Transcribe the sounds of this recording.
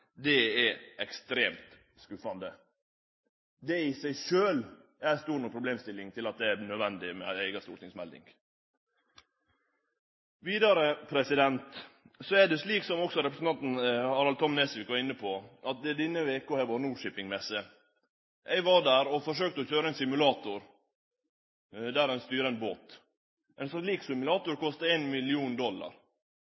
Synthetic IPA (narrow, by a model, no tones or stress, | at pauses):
d̪ɛæɛkst̪ɾeːmt̪ | skʉfɑnd̪ə | d̪ɛɪsæɪʃøːl | æɾst̪uːɾnɔpʰɾʊbleːmst̪ɪlːɪŋt̪ʰɪlɑt̪̚d̪ɛænœd̪ʋɛnd̪ɪmɛ̰æɪɡɑst̪uːɾt̪ɪŋsmɛld̪ɪ̰ŋ | ʋiːd̪ɑɾəpʰɾɛsɪd̪ɛnt̪ | sɔæɖɛsliːksɔmɔksɔɾɛpɾəsn̩t̪ɑnt̪n̩ɑɾɑlt̪ʰɔmnɛsʋɪkʋɑɾɪnːəpʰɔʔɑt̪̚d̪ɛd̪ɪnːəʋeːkohɛːʋɑːɾnuːʂɪpɪŋmɛsə | ʔɛɪʋɑɖæɾɔfɔʂøːk̚t̪əɔçøːɾəɛɪnsɪmʉlɑːt̪ʊɾ | d̪æːɾɛɪnst̪yːɾənbo̰ːt̪ | ʔɛnsliːksɪmʉlɑːt̪ʊɾkɔst̪ɑeːnmɪlɪuːnd̪ɔlːɑ̰ɾ